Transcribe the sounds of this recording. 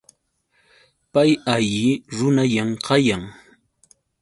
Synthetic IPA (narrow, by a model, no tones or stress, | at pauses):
pajaʎɪɾʊnaʎamqɑjaŋ